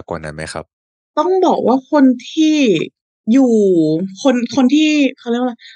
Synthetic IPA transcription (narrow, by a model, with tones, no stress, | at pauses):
ka̰˨˩na̰˦˥nma̰˦˥jxʰa̰˦˥p̚ | t̪ɔ˥˩ŋbɔː˨˩k̚wʔaː˥˩kʰo˧nt̪ʰiː˥˩ | juː˨˩kʰo˧nkʰo˧nt̪ʰiː˥˩xʰa˧˩li˥˩əkwla˧˥˩